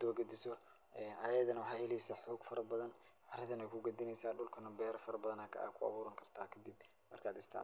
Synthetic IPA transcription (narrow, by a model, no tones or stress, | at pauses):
d̪ɔːɡɐd̪ɪsɔ | ʔɛːnʔaːjɐðɐnɐwɑħɑːhɛlɛjsɐːħɔːɡfɐɾɐbɐðɐnɐɾɪðɐnɛjkʰʊɡɐd̪ɪnɛjsaːɖʊlkʰɐnɐbɛːɾɐfɐɾɐbɐðɐnɐːkʰɐ̰ʔa̰ːkʰʊɑ̰βuːɾɐŋkʰɐrt̪ʰaːkʰɐd̪ɪbmɐrkʰaːd̪ɪst̪ʰa̰ː